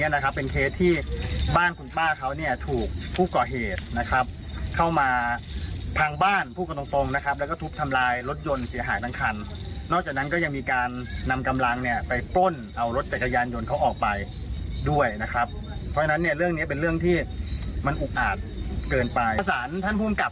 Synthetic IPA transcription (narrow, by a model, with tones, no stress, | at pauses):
ɐ˨na˦˥kʰa˦˥pːe˧nkʰeː˦˥t̪ʰːiː˥˩baː˥˩nku˧˩npaː˥˩kʰa˦˥wni˥˩ɐt̪ʰuː˨˩k̚pʰːuː˥˩kɔː˨˩ɦeː˨˩t̪̚na˦˥kʰɾa˦˥p̚ | kʰa˥˩wmaː˧ | p̪ʰa˧ŋbaː˥˩npʰu˥˩ka˧t̪o˧ŋt̪o˧ŋna˦˥kʰa˦˥p̚lɛ˦˥wkɔː˥˩t̪ʰu˦˥p̚t̪ʰa˧mlaː˧jɾo˦˥t̪̚jo˧nsi˨˩˦ɐɦaː˩˦jt̪a˧˥ŋkʰa˧nː | ɔː˥˩k̚t͡ɕaː˨˩k̚na˦˥kɔː˥˩ja˧ŋmiː˧kaː˧nːa˧mka˧mla˧ŋni˥˩ɐpa˧jplo˥˩nʔa˧wɾo˦˥t̪̚t͡ɕa˨˩t̚kːa˧jaː˧njo˧nkʰa˦˥wʔɔː˨˩k̚pa˧jdu˥˩əjna˦˥kʰɾa˦˥p̚ | pʰɔ˦˥t͡ɕʰna˦˥nːi˥˩ɐɾɯ˥˩əŋni˦˥˩p̬e˧nlɯ˥˩əŋt̪ʰiː˥˩ma˧nʔu˨˩k̚ʔaː˨˩t̪̚kɤː˧npa˧jsaː˩˦nt̪ʰa˥˩npʰuː˥˩mka˨˩p̚